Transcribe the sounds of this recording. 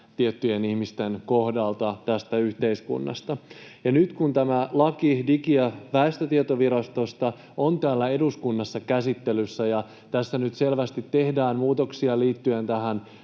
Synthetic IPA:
t̪iet̪ːyjenihmist̪e̞nkohdɑlt̪ɑt̪æst̪æyçt̪e̞iskṵnːɑ̰st̪ɑjɑnyt̪kunt̪æmælɑkidikiæʋæest̪æt̪iet̪oʋiɾɑst̪o̞st̪ɑ | ont̪æːlːæe̞duskunːɑsːɑkæsit̪ːe̞lysːæjɑ | t̪æsːænyt̪se̞lʋæst̪it̪ːe̞hdæːnmuːt̪o̞ksiɑliːt̪ːye̞nt̪æɦæn

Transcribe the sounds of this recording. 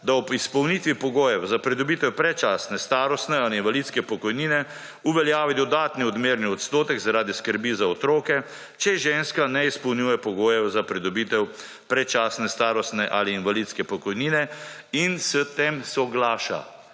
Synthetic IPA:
d̪aɔpispɔwnit̪ʋipɔɡoːjɛwzapɾɛd̪ɔbiːt̪ɛwpɾɛt͡ʃaːsnɛst̪aːɾɔst̪nɛaliinʋalit̪skɛpɔkɔjniːnɛ | uʋɛljaːʋid̪ɔd̪aːt̪niɔd̪meːɾniɔt̪st̪oːt̪ɛɡzaɾaːd̪iskəɾbiːzaɔt̪ɾoːkɛ | t͡ʃɛʒeːnskanɛispɔwnjuːjɛpɔɡoːjɛwzapɾid̪ɔbiːt̪ɛw | pɾɛt͡ʃaːsnɛst̪aːɾɔst̪nɛʔaːliːnʋalid̪skɛpɔkɔjniːnɛinsɛt̪emsɔɡlaːʃa̰

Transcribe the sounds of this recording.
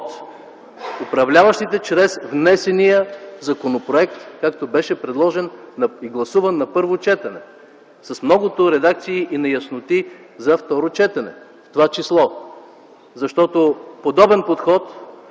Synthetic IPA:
t̪ | ʊpɾɐvlʲavɐʃt̪it̪ɛt͡ʃɾɛsvnɛsɛnijəzɐkonopɾoɛk̚t̪kakt̪obɛʃɛpɾɛd̪lˠɔʒɛnːiɡlˠɐsuvɐnːɐpɤɾvot͡ʃɛt̪ɐnɛ | sɐsmnɔɡʊt̪oɾɛd̪ak̚t̪siːʔinɐjɐsnot̪i | zɐft̪ɔɾot͡ʃɛt̪ɐnɛ̰ | ft̪ovat͡ʃislˠɔ | zɐʃt̪ɔt̪opod̪ɔbɛnpot̪xɔt̪

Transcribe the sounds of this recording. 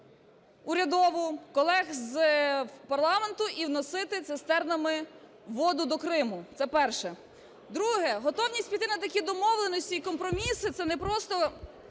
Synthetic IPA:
ʊɾʲɐd̪ɔʋʊkɔlˠɛxz | pɐrlˠɑment̪ʊʔiwnɔsɪt̪ɪt̪sest̪ɛrnɐmɪ | ʋɔd̪ʊd̪ɔkɾɪmʊt̪sɛpɛrʃɛ | d̪ɾuɦɛɦɔt̪ɔwnʲisʲtʲpʲit̪ɪnɐt̪ɐkʲid̪ɔmɔwlˠenɔsʲtʲiikɔmpɾɔmʲisɪt̪sɛnɛpɾɔst̪ɔ

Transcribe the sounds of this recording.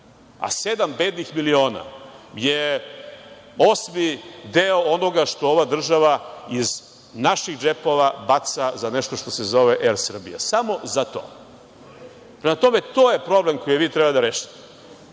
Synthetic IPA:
a̰sed̪ambed̪nixmilio̞ːna̰je | o̞smid̪eoono̞ɡaʃt̪ooʋad̪r̩ʒaʋaiz | naʃiɣd͡ʒepo̞ʋabat̪sazaneʃt̪oʃt̪o̞sezo̞ʋeʔeɾsr̩bḭja̰samo̞zat̪o̰ː | pɾemat̪o̞me̞t̪o̞ːje̞pɾo̞blemko̞jiʋit̪ɾebad̪aɾeːʃi̥t̪e

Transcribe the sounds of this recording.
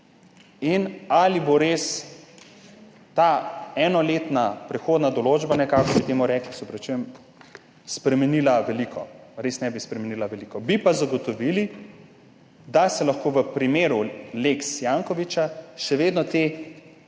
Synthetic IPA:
inaliboɾeːs | t̪aɛːnɔleːt̪napɾɛxoːd̪nad̪ɔloːd͡ʒbanɛkaːkɔbit̪eːmɔɾɛːklisɔpɾɛt͡ʃujɛm | spɾɛmɛniːlaʋɛlikʰɔɾesnɛbispɾɛmɛnilaʋɛlikɔbipazaɡɔt̪ɔʋili | d̪asɛlɐxkoːʋəpɾimeːɾuleksjaːŋkɔʋit͡ʃaʃɛʋeːd̪nɔt̪eː

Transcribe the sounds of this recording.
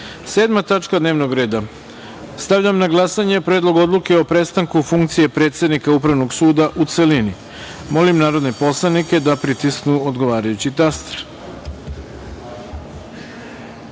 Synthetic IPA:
se̞ːd̪mat̪at͡ʃkad̪ne̞ːʋno̞ɡɾe̞ːd̪a | st̪aʋʎamnaɡlˠasaɲe̞pɾeːd̪lo̞ɡo̞d̪luke̞o̞pɾe̞t̪st̪aŋkufuŋk̚t̪sije̞pɾe̞t̪sje̞d̪nikaupɾaʋno̞ɡsuːd̪aʔut̪se̞lini | mo̞limnaːɾo̞d̪nepo̞slˠanike̞d̪apɾit̪isknuod̪ɡo̞ʋaːɾajut͡ɕit̪ast̪e̥ɾ

